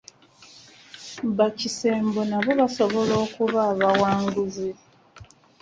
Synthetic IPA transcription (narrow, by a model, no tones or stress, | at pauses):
βacise̞ːmbonaβoβaso̞βo̞lo̞ːkuβaːβawaːŋɡuzi